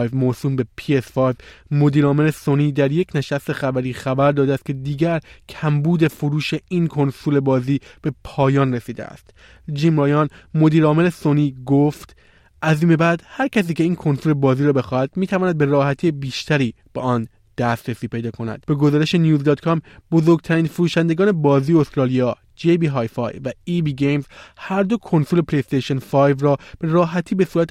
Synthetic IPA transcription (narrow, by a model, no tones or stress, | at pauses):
vmosuːmbe̞pʰiesfɒɾzmo̞d̪iːɾɒːme̞lesoniːd̪æɾje̞cʰne̞ʃæst̪e̞xæbæɾiːxæbæɾd̪ɒːd̪eæst̪̚kʰcʰe̞d̪iːɟæɾcʰæmbuːd̪e̞foɾuːʃe̞inkʰo̞nsule̞bɒːziːb̥e̞pʰɒːjɒːnɾesiːd̪ḛæ̰st̪ | d͡ʒiːmɾɒjɒːnmo̞d̪iːɾɒːme̞lesoniːɡoft̪ | ʔæziːme̞bæd̪̥hæɾcʰæs̬iːcʰe̞iːnkʰo̞nsulebɒːziːɾɔːbe̞xɒːhæd̪miːt̪ʰævɒːnæd̪̚be̞ɾɒːhæt̪ʰiːjebiːʃt̪ʰæɾiː | b̥eɒːn | d̪̥æst̪ɾesiːpʰe̞jd̪ɒːkʰo̞næ̰d̪̥b̥e̞ɡo̞zɒːɾe̞ʃe̞nijuːzd̪ɒːt̪kʰɒmbo̞zo̞ɾɡ̚t̪ʰæɾiːnfuɾuːʃænd̪e̞ɡɒːne̞bɒːzijeost̪ɾɒːlijɒː | d͡ʒejbiɦɒːjfɒ̰ːjvæibiːɡejmzhæɾd̪o̞kʰo̞nsulepʰleest̪eʃo̞nfɒjvɾɒːb̥e̞ɾɒːɦæt̪ʰiːbe̞suːɾæt̪